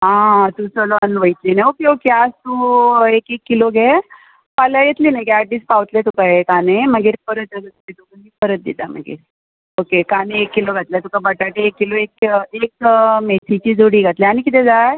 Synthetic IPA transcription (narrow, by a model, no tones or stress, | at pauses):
ɦãt̪usəlɔənʋəjt̪linajokeokeast̪uekekːiloɡʱe | paljajet̪liːnajkiaʈːiːspawt̪let̪ukaɦekaneməɡiːɾpəɾət̪əət̪t̪it̪ukənmiːpəɾət̪̚d̪ḭt̪amə̰ɡḭːɾ | okekaneekːiloɡʱat̪ljat̪ukabəʈaʈeekːiloekekmesit͡ɕiːd͡zuɽiːɡʱat̪leaɽ̃ikit̪ɛd͡za